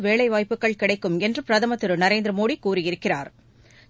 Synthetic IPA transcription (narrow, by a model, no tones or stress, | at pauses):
ʋeːɭɐɪʋaːjpːɯkːɐɭkɪɽɐɪkːɯmɛndrɯpɪɾɐðɐmɐt̪ːɯɾɯnɐɾeːnd̪ɾɐmoːɽikuːrɯjɪɾɯkːɪraːɾ